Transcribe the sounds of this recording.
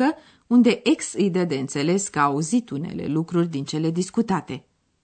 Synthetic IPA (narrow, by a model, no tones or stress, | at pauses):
ə | und̪e̞ʔeksɨjd̪ed̪e̞ɨnt̪se̞le̞skəaːuzit̪une̞̰le̞̰lukɾurʲd̪int͡ʃe̞le̞d̪iskut̪at̪e̞